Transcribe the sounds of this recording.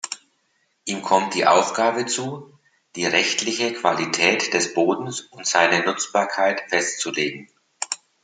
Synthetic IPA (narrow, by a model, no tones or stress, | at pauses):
ʔiːmkʰɔmt̚d̥iːʔaʊfɡ̥aːbət͡suː | d̥iːʁɛçtlɪçəkv̥alitʰɛːtd̥ɛsb̥oːdn̩sʊntz̥aɪnənʊt͡sb̥aːɐkʰaɪtfɛstt͡suleːɡŋ̩